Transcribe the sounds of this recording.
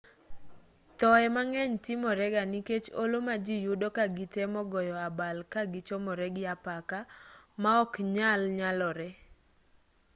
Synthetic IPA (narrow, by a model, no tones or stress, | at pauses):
tɔɛmaŋɛɲtɪmɔɾɛɡaniket͡ʃolomad͡ʒijudokaɡitemɔɡɔjɔabalkaɡɪt͡ʃomɔɾɛɡɪjapakamaɔkɲalɲalɔɾɛ